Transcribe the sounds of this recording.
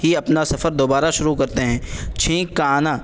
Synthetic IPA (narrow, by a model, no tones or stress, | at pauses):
ɦiɐpnasɐfəɾd̪oːbaːɾaʃʊɾukɐɾt̪eɦɛ̃ːt͡ʃʰĩːkkːaːnaː